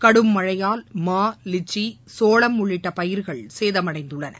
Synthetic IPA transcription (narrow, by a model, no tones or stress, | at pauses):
kɐɽɯmːɐɻɐjaːlmaːlɪt͡ʃːisoːɭɐmːʊɭːɪʈːɐpɐjɪɾɣɐɭseːðɐmɐɽɐɪnd̪ɯɭːɐnɐ̰